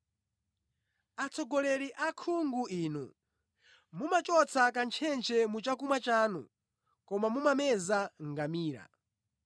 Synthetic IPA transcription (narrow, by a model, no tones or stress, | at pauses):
at͡sʰɔɡɔlɛɾiʔakʰuŋɡuʔiːnṵ | mumat͡ʃɔt͡sʰakant͡ʃʰɛnt͡ʃʰɛmut͡ʃakumat͡ʃaːnṵ | kɔmamumamɛzaŋɡamiːɾa̰